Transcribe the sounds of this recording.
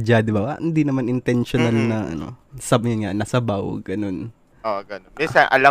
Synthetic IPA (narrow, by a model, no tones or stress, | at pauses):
d͡ʒad̪ɪbaa̰hɪnd̪inɐmanʔɪnt̪ɛnʃonalnɐʔɐ̰no̰sɐbjanŋaʔnɐsɐbawɡ̥ɐno̞n | oɡɐnomisɐnʔɐ̰la